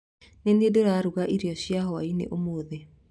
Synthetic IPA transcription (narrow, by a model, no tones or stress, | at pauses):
nenedoɾaɾuɣaʔiɾjɔɕjaɦɔwainḛʔomoːðe